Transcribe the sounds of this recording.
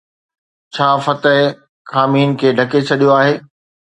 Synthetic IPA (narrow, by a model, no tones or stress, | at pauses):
t͡ɕʰaːfɐt̪əɦɪ | kaːmiːnkʰeːɖʱɐket͡ɕʰɐɗijoaːɦeː